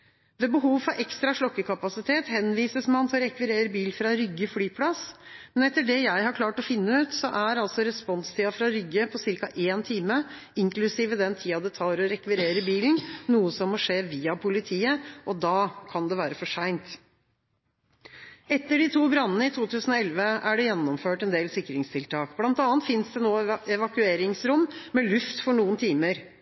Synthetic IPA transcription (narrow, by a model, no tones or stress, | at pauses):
ʋeːbəɦuːʋfɑʔɛkst̪ɾɑʂɭɔkːəkʰɑpɑsɪt̪ʰeːt̪hɛnʋiːsəsmɑnt̪ʰɔɾɛkʋɪɾeːɾəbiːlfɾɑɾʏɡəfɽyːpʰlɑsmɛnɛt̪ːəɖɛjæɪhɑɾkʰlɑːʈɔfɪnːəʉːt̪sɔʔæɾɑlt̪sɔɾɛspɔnst̪ʰiːɑfɾɑɾʏɡəpʰɔsɪɾkɑʔeːnt̪ʰiːmə | ɪŋklʉsiːʋəd̪ɛnt̪ʰiːɑd̪ɛt̪ʰɑːɾɔɾɛkʋɪɾeːɾəbiːln̩nuːəsɔmːɔʂeːʋiːɑpʰʊlɪt̪ʰiːəʔɔd̪ɑːkʰɑnd̪ɛʋæːɾəfɔʂæɪnt̪ | ɛt̪ːəɖɪt̪ʰuːbɾɑnːənəɪt̪ʰuːt̪ʰʉːsən̩ɔɛlʋəæɖɛjɛnːɔmføːʈɛnd̪eːlsɪkːɾɪŋst̪ʰɪlt̪ʰɑːkblɑnt̪ɑːnt̪fɪnsd̪ɛnoːɛʋɑkʉeːɾɪŋsɾʊmmɛlʉft̪fɔɳuːənt̪ʰiːməɾ